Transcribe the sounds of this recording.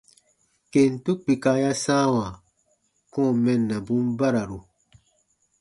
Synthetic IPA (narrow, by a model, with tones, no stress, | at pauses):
ke˨n˨tu˦k͡pi˨ka˨˦ja˦sãː˦wã˨ | kɔ̃˦˨mɛ˦nːa˨bũ˦mba˦ɾa˨ɾu˨